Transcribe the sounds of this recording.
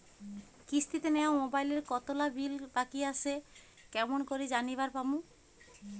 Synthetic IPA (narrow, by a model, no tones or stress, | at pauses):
kist̪it̪enɛaomobajleɾkɔt̪olabʱilbakiaʃe | kɛmonkoɾid͡ʑaniβaɾpamũ